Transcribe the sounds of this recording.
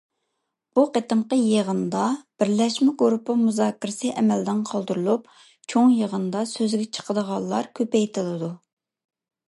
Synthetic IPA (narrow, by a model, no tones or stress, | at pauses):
b̥uqet̪əmqəjeʁənd̪ɑb̥ɪɾlɛʃmɛɡɾupɨmuzɑːkʰʲːiɾɪsɨʔɛmɛld̪ɪnqʰɑlˠd̪uɾulˠup̚ | t͡ʃʰoŋjəʁənd̪ɑsøzɡʲɛt͡ʃʰə̥qʰəd̪əʁɑlˠːɑɾkʲʰøpɛjt̪ʰɪlˠɨd̪u